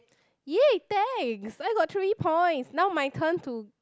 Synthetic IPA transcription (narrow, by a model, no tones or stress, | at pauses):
jɛtɛ̃ŋsajɡɔt̚tɹipʰɔ̃j̃ntsnawmajtʰə̃ntu